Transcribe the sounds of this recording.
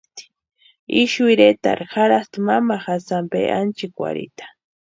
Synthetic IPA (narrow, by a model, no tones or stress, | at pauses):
t̪ | ɪʃʊɾet̪a̰ɾxaɾast̪ʊmamaxasampḛʔa̰nt͡ʃɪkwa̰ɾɪ̰t̪ḁ